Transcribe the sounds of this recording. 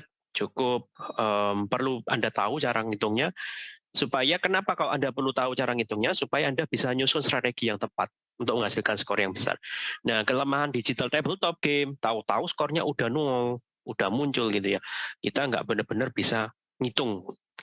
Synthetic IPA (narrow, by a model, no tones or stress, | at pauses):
t͡ʃukʊp̚ʔəmpərluandat̪a̰ut͡ʃaɾaŋit̪ʊŋɲasupajakənapakaloʔandapərlut̪aut͡ʃaɾaŋit̪ʊŋɲasupajaːndab̥isaɲusʊnst̪ɾat̪eɡ̥ijaŋt̪əpa̰t̪̚ | unt̪ʊk̚məŋɦasɪlkansə̥kɔrjaŋbəsa̰rnahkələmaɦandid͡ʒit̪alt̪abəlut̪ɔp̚ɡ̥ɪmt̪aut̪a̰usə̥kɔrɲa̰ʔudahnuɔl | ud̥ahmuɲt͡ʃʊlɡit̪ujakit̪aŋɡa̰ʔb̥ənərb̥ənərb̥isa | ŋit̪ʊŋ